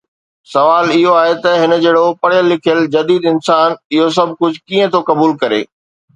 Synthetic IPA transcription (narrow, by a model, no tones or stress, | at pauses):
sɐʋaːlɪɦoaːɦet̪ɐɦɪnə̆d͡ʑeːɽopɐɽjəlːɪkʰijəld͡ʑɐd̪iːd̪ɪnsaːnɪɦos̬ɐb̚ʱkʊd͡ʑʱkiːə̃t̪ʰokɐbuːlkɐɾḛː